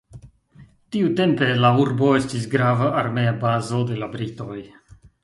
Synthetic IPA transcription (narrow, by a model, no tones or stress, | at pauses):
tiute̞mpe̞lauɾbo̞estis̬ɡɾavaʔːɾmeabazo̞d̪e̞labɾito̞j